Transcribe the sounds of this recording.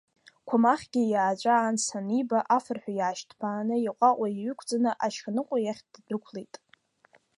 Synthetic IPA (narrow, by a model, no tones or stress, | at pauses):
kʷʰamaχʲɡʲɪjaːt͡ʃʷʼaːnsanibaʔafɨrħʷᶣajaːʃtʰbaːnɨiqʷʼaʔʷʼaiɥʷʏkʷʰd͡zanɨʔaʃχanɨqʷʼajaχʲtddɨkʷʰlejtʼ